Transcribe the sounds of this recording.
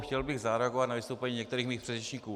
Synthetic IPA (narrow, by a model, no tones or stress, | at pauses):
xcɛlbɪɣzaɾɛaɡovat̪navɪst̪owpɛɲiːɲɛk̚t̪ɛɾiːxmiːxpr̥ɛdrɛt͡ʃɲiːkuː